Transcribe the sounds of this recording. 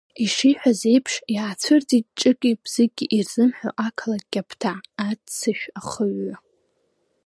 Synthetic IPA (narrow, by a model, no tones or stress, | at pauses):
iʂiħʷᶣaze̞jpʰʂjaːt͡sʷʰɨrt͡sʼit̚ʼʈ͡ʂʼɨkʲʼibz̥ɪɡʲiʔirz̥ɨmħʷᶣo̰ʔakʰalaɡ̚kʲʼapʰtʰaːt͡sʰɨʃᶣaχəɥa